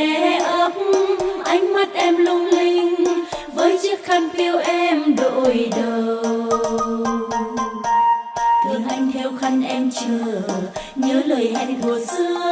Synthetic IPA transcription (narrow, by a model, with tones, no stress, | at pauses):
ʔə˨˦p̚ʔa˨˧˦jŋ̟ma˦˥t̚ʔɛ˧mlʊ˧ŋ͡mli˧ŋ̟vəː˨˦jt͡ɕɨ˦˥ək̚xa˧jŋ̟fi˧əwʔɛ˧mɗo̰˧˨˩jɗə˨˩ | t̪ɨ˨˩ənʔa˧jŋ̟t̪ʰɛ˧wxa˧jŋ̟ʔɛ˧mt͡ɕəː˨˩ | ɲəː˨˦ləː˨˩jʔɛ˧nku˨˩əsɨ˧ə